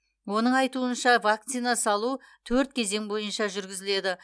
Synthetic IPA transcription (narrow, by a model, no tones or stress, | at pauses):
wo̞nəɴɑjt̪uənʃɑvak̚t̪sijnasɑlˠu | t̪ʰɵɾt̪̚kʲʰe̞ze̞ŋbo̞jənʃɑʒʏɾɡʲɪzɪle̞d̪ɪ